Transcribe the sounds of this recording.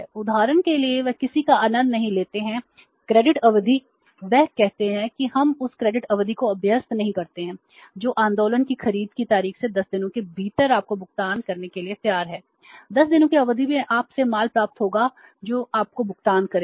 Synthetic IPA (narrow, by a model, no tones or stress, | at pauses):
ɛʊd̪ʱaːɾənkelieʋɛkɪsikaaːnə̃nd̪nɐɦĩleːt̪eɦɛ̃ | kɾeːɖɪʈɐʋd̪ʱi | ʋɛːɦkːɛɦt̪eɦɛ̃kiɦɐmʊskɾeːɖɪʈɐʋd̪ʱikoɐbʱjəst̪nɐɦĩkɐɾt̪eɦɛ̃ː | d͡ʒoːʔãːnd̪oːlənkixɐɾiːd̪kit̪aːɾiːxsed̪ɐsd̪ɪnõkebʱiːt̪əɾaːp̚kobʱʊkt̪aːnkɐɾnekeliep̪jaːɾɦɛː | d̪ɐsd̪ɪnõkeɐʋəd̪ʱibẽʔaːpsemaːlpɾaːp̚t̪ɦoːɡa | d͡ʒoːaːp̚kobʊkt̪aːnkɐɾẽː